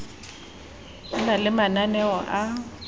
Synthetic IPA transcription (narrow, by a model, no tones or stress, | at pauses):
nalɪmananɛɔʔa